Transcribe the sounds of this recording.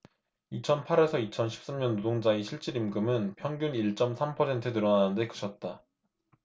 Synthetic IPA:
it͡ɕʰʌnpʰaɾe̞sʰʌit͡ɕʰʌnɕʰi̥p̚s͈amɲʌnːodoŋd͡ʑaiɕʰiɭt͡ɕ͈iɾimɡɯmɯnpʰjʌŋɡjuniɭt͡ɕ͈ʌmsʰampʰʌsʰe̞ntʰɯtɯɾʌnanɯnde̞kɯ̥ɕʰʌt̚t͈a

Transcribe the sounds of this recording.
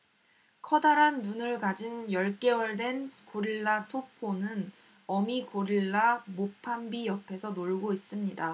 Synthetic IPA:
kʰʌdaɾanːunɯɭkad͡ʑinjʌɭk͈e̞wʌɭde̞nkoɾiɭːasʰopʰonɯn | ʌmikoɾiɭːamopʰambijʌpʰe̞sʰʌnoɭɡois͈ɯmɲida

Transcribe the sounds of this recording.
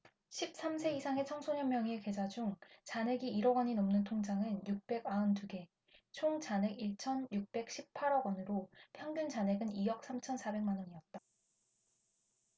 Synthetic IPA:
ɕʰip̚s͈amsʰe̞isʰaŋe̞t͡ɕʰʌŋsʰoɲʌmmjʌŋieke̞d͡ʑad͡ʑuŋt͡ɕane̞ɡiiɾʌɡʌɲinomnɯntʰoŋd͡ʑaŋɯnjuk̚p͈e̞ɡaɯntuɡe̞ | t͡ɕʰoŋt͡ɕane̞ɡiɭt͡ɕʰʌnjuk̚p͈e̞k̚ɕʰip̚pʰaɾʌɡʌnɯɾopʰjʌŋɡund͡ʑane̞ɡɯnijʌk̚s͈ʰamt͡ɕʰʌnsʰabe̞ŋmanʌɲiʌt̚t͈a

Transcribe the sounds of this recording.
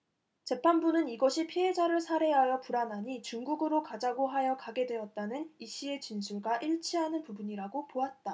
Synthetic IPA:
t͡ɕe̞pʰanbunɯniɡʌɕʰipʰiɦe̞d͡ʑaɾɯɭsʰaɾe̞ɦajʌpuɾanɦaɲit͡ɕuŋɡuɡɯɾokad͡ʑaɡoɦajʌkaɡe̞dwe̞ʌt̚t͈anɯniɕ͈ʰie̞t͡ɕinsʰuɭɡaʔiɭt͡ɕʰiɦanɯnpubuɲiɾaɡopoat̚t͈a

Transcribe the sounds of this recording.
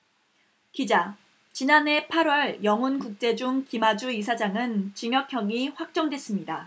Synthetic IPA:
kid͡ʑa | t͡ɕinane̞pʰaɾwʌɭjʌŋunkuk̚t͡ɕ͈e̞d͡ʑuŋkimad͡ʑuisʰad͡ʑaŋɯnt͡ɕiŋjʌkʰjʌŋiɸwak̚t͡ɕ͈ʌŋdwe̞s͈ɯmɲida

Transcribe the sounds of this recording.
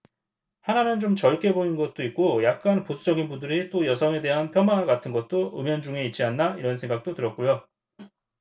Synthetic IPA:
hananɯnd͡ʑomt͡ɕʌɭk͈e̞boninɡʌt̚t͈oit̚k͈ojak̚k͈anposʰud͡ʑʌɡinbudɯɾit͈ojʌsʰʌŋe̞de̞ɦanpʰjʌmaɡatʰɯnɡʌt̚t͈oɯmjʌnd͡ʑuŋe̞it̚t͡ɕ͈ianːaiɾʌns̬ʰe̞ŋɡak̚t͈otɯɾʌt̚k͈ujo

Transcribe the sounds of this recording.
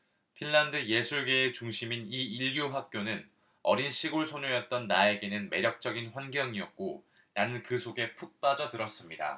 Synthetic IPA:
pʰinːandɯje̞sʰuɭɡe̞ːt͡ɕuŋɕʰiminiiʎɡjuɸak̚k͈jonɯn | ʌ̰ɾinɕʰiɡoɭsʰoɲojʌt̚t͈ʌnːae̞ɡe̞nɯnme̞ɾjʌk̚t͡ɕ͈ʌɡinɸwanɡjʌŋiʌk̚k͈o | nanɯnkɯsʰoɡe̞pʰuk̚p͈ad͡ʑʌtɯɾʌs͈ɯmɲida̰

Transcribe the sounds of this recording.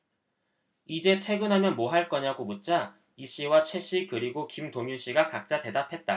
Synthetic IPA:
id͡ʑe̞tʰwe̞ɡɯnɦamjʌnmoɦaɭk͈ʌɲaɡobot̚t͡ɕ͈a | iɕ͈iwat͡ɕʰwe̞ɕ͈ikɯɾiɡokimtoŋjuɕ͈iɡakak̚t͡ɕ͈ate̞dapʰe̞t̚t͈a

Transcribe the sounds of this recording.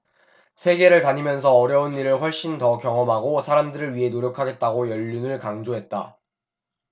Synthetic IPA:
sʰe̞ɡe̞ɾɯɭkaɲimjʌns̬ʰʌːɾjʌunːiɾɯɭɸwʌɭɕ͈intʌkjʌŋʌmɦaɡosʰaɾamdɯɾɯɭɥiɦe̞noɾjʌkʰaɡe̞t̚t͈aɡojʌʎːunɯɭkaŋd͡ʑoɦe̞t̚t͈a̰

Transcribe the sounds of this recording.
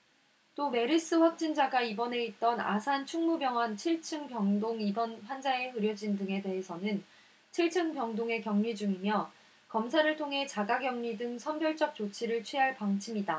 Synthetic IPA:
t͈ome̞ɾis͈ɯɸwak̚t͡ɕ͈ind͡ʑaɡaibʌne̞it̚t͈ʌna̰sʰant͡ɕʰuŋmubjʌŋɦwant͡ɕʰiɭt͡ɕʰɯŋpjʌŋdoŋibʌnɸwand͡ʑaeɦɯɾjʌd͡ʑindɯŋe̞de̞ɦesʰʌnɯn | t͡ɕʰiɭt͡ɕʰɯŋpjʌŋdoŋe̞kjʌŋɲid͡ʑuŋimjʌ | kʌmsʰaɾɯɭtʰoŋɦe̞t͡ɕaɡaɡjʌŋɲidɯŋsʰʌnbjʌɭt͡ɕ͈ʌp̚t͡ɕ͈ot͡ɕʰiɾɯɭt͡ɕʰɥiɦaɭpaŋt͡ɕʰimida

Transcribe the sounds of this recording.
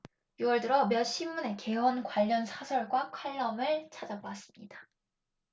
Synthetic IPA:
juwʌɭdɯɾʌmjʌɕ͈ʰimːune̞ke̞wʌnkwaʎːʌnsʰasʰʌɭɡwakʰwaɭːʌmɯɭt͡ɕʰad͡ʑaas͈ɯ̥mɲḭd̥ḁ

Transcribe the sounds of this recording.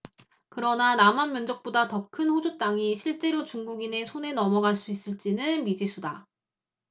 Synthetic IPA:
kɯɾʌnanamanmjʌnd͡ʑʌk̚p͈odatʌkʰɯnɸod͡ʑut͈aŋiɕʰiɭt͡ɕ͈e̞ɾot͡ɕuŋɡuɡine̞sʰone̞nʌmʌɡaɭs͈uis͈ɯɭt͡ɕ͈inɯnmid͡ʑisʰuda

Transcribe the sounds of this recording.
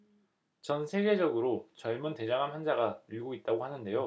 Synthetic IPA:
t͡ɕʌnsʰe̞ɡe̞d͡ʑʌɡɯɾot͡ɕʌɭmunte̞d͡ʑaŋamɦwand͡ʑaɡauɭɡoit̚t͈aɡohanɯnde̞jo

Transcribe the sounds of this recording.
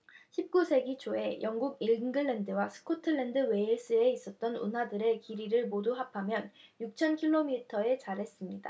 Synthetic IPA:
ɕʰip̚k͈usʰe̞ɡit͡ɕʰoe̞jʌŋɡuɡiɭnɡɯɭːendɯwasʰɯ̥kʰotʰɯɭːendɯwe̞is͈ɯe̞is͈ʌt̚t͈ʌnṵnɦadɯɾe̞kiɾiɾɯɭmoduɦapʰamjʌnjuk̚t͡ɕʰʌnkʰiɭːomitʰʌe̞t͡ɕaɾɦe̞s͈ɯmɲida̰

